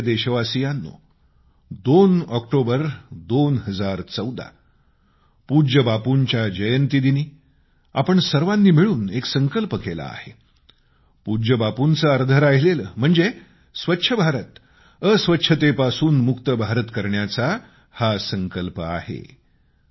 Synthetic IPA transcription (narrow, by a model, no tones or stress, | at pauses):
d̪eɕəʋasijanːo̰ | d̪onɔkʈobəɾd̪onɦəd͡zaɾt͡səwd̪a̰ | pud͡ʑəbapuɲt͡ɕjad͡ʑəjənt̪id̪iniː | a̰pəɳsəɾʋãnːiːmiɭuːneksəŋkəlpəkela̰a̰he | pud͡ʑəbapunt͡səəɾd̪ʱəɾaɦileləːm̤əɳd͡ze | sʋətːɕʰəbʱaɾət̪ | əsʋətːɕʰət̪epasuːnmukt̪əbʱaɾət̪kəɾɳjat͡sa | hasəŋkəlpəa̰hḛ